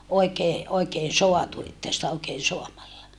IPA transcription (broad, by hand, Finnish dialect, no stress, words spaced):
oikeː oikeːn̞ soɑtu etːæ sitæ oikeːn̞ soɑmɑlːɑ